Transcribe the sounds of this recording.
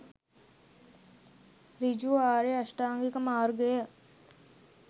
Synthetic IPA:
ɾid͡ʒuaːɾeɐsʈaːŋɡikəmaːɾɡejə

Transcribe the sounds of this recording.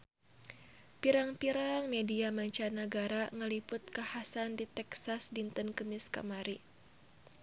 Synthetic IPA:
piɾaŋpiɾaŋmediamaɲt͡ʃanəɡaɾaŋəlipʊt̪̚kahasandit̪ɛksasdint̪ənkəmiska̰maɾi

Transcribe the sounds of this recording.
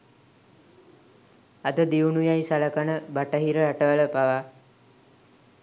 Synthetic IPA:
ad̪əd̪iunujajsaləkanəbaʈəɦiɾəaʈəʋələpaʋa

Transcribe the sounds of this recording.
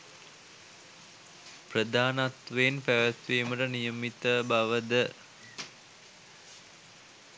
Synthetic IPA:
prəd̪aːnat̪ʋenpæʋət̪ʋiːməʈənijəmit̪əbaʋəd̪ə

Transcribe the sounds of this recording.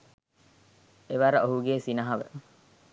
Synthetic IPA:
eʋɐɾəʔoɦuɡeːsinɐɦɐʋə̰

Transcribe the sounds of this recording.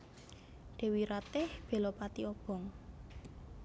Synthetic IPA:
d̪̥e̤wiɾat̪ɪhb̥e̤lɔpat̪iɔb̥ɔ̤ŋ

